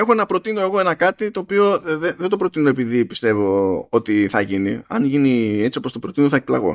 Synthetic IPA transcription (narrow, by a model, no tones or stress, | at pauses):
e̞xo̞e̞nɐpɾo̞t̪ino̞e̞ɣo̞e̞nɐkɐt̪it̪o̞ːpio̞ðeðed̪opɾo̞t̪ino̞epiðipi̥st̪e̞vo̞o̞t̪iθɐʝiniɐ̰nʝinie̞t͡sio̞post̪opɾot̪inoθɐekt̪lɐɣo̞̰